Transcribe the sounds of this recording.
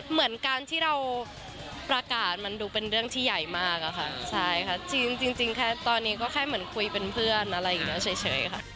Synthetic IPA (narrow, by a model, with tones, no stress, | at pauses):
mɯ˩˦ənkaː˧nt̪ʰiː˥˩ɾa˧w | pɾa˧kaː˨˩t̪̚ma˧nduː˧pe˧nɾɯ˥˩əŋt̪ʰiː˥˩ja˨˩jmaː˥˩k̚ʔa˨˩xʰa˥˩t͡ɕʰa˥˩jkʰa˥˩t͡ɕi˧ŋt͡ɕi˧ŋt͡ɕi˧ŋkʰɛː˥˩t̪ɔː˧nːiː˦˥kɔː˥˩kʰɛː˥˩jmɯ˩˦ənkʰu˧jpe˧npʰɯ˥˩ənʔa˧ɾa˧jʔiː˨˩k̚nɛː˦˥wt͡ɕʰaː˩˦jt͡ɕʰɤ̰ː˩˦jkʰa˥˩